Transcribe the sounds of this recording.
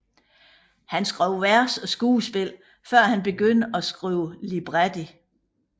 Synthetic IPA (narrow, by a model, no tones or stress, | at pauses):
hænsɡ̥ʁɛʊ̰ʋæɐsɒ̽sɡ̥uːsb̥e̝l̰ | fɶɐ̰hænb̥e̝ɡ̥øn̰̥ɒ̽sɡ̥ʁiːʊlib̥ʁad̥i